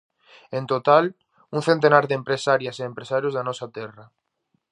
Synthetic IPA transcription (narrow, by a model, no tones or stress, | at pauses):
ẽnt̪ot̪al | uŋθent̪enaɾðempɾesaɾjaseːmpɾesaɾjʊzðanɔsat̪ɛra